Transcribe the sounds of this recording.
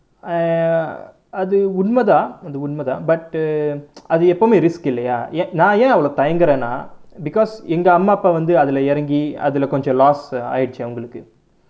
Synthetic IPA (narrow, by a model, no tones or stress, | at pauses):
ɐðɯʊɳmɐðãːɐðɯʊɳmɐðã̰ːbɐʈ | ɐðɯɛpːomeːɾɪskɪlːɐjaːẽːnãːjẽːɐʋɐɭoːt̪ɐjɐŋɡɯɾẽːnːa̰ːbɪkɔːsɛŋɡɐɐmːaːɐpːaːʋɐnd̪ɯɐðɪlɐɛɾɐŋɡiɐ̰ðɯlɐkɔɲd͡ʒɔ̃laːsa̰ːjɪɽɯt͡ʃːɯɐʋɐŋɡɐɭɯkːɯ